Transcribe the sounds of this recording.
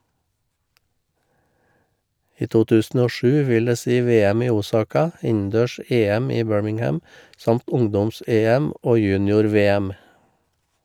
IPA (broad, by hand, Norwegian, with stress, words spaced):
ˈiː ˈtuː ˈtʉːsn̩ ˈoː ˈʃʉː ˈʋɪl ˈdeː ˈsiː ˈʋeːəm ˈiː ˈuːˌsɑːkɑ ˈɪnn̩ˌdøːˌʃeːəm ˈiː ˈbøːɹmɪŋˌhæm ˈsɑmt ˈʊŋdɔmˌseːəm ˈʔoː ˈjʉːnɪʊɾˌʋeːəm